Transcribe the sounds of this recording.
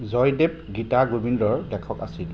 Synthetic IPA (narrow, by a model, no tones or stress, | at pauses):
zɔjdep̚ɡitaɡobindɔɹdɛkʰɔka̰sil